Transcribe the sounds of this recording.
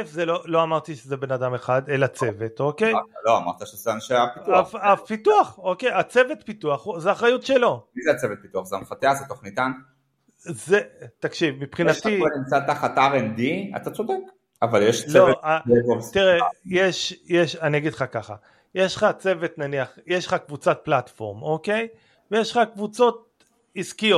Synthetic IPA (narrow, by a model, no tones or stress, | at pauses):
efzelo̞lo̞amaʁt̪iʃezebe̞nad̪ame̞χad̪elat͡se̞ve̞t̪o̞kejaloama̰ʁt̪aʃezanʃeapiuaapit̪uaχo̞kejat͡se̞vet̪pit̪uaχuzeaχʁajutʃelo̞mizeat͡sevet̪̚pit̪uaχzeamfat̪eaχzet̪o̞χnit̪an | zet̪akʃivmipχinat̪ienimt͡sat̪aχat̪aʁend̪ia̰t̪at͡so̞d̪ek | avaljeʃt͡sleovaevot̪iʁejeʃjeʃaniaɡid̪χakaχa̰ | jeʃlχat͡se̞ve̞t̪naniaχjeʃlχakvut͡sat̪̚plat̪fo̞̰ʁmo̞ke̞j | vejeʃχakvut͡so̞t̚ | iskijot